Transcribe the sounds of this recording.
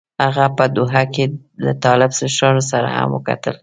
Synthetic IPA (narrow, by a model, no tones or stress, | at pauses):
haɣapəd̪ʊɦake | lət̪ɑlɪbsəʃɑnosaɾa̰ha̰mwə̰ka̰t̪əl